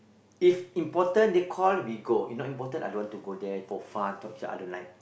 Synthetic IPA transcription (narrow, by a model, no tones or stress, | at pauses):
ifĩmpɔtə̃ndekʰɔlwiɡoḭfnɔtĩmpɔtə̃na̰dõwãntuɡodɛfɔfãntɔp̚t͡ʃa̰ʔa̰dõnlãjn